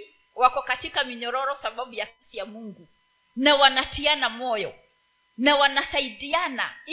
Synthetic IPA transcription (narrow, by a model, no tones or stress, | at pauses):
wakɔkatikamiɲɔɾɔɾɔsaɓaɓujasisijamuŋɡu | nawanatianamɔjɔ | nawanasaiɗiana̰